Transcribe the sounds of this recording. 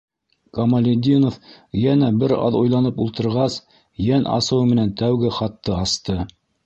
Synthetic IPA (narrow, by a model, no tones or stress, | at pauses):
kɐmɐlʲed̪ʲinof | jænæbɘɾɑ̰ðujlˠɑnɤpulˠt̪ɤ̆ɾʁɑs | jænʔɑ̰sɤwmɘ̆nænt̪æwɡɘχɑt̪ːɤɑst̪ɤ